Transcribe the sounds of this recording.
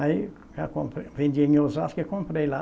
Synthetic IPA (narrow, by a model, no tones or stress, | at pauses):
ai | kakõmpɾvend̪ʲeɲʲozaskekõmpɾejla